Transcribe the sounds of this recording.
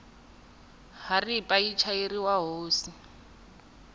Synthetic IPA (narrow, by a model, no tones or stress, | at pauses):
haripʼait͡ʃʰairiwaɦoːsi